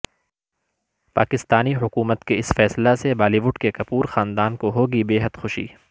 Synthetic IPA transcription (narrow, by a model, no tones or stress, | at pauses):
pa̰ːkɪst̪aːniɦʊkuːmət̪keɪsfɛːslasebaːliʋʊɖkekɐpuːɾxaːnd̪aːnkoɦoːɡibeːɦəd̪xʊʃḭː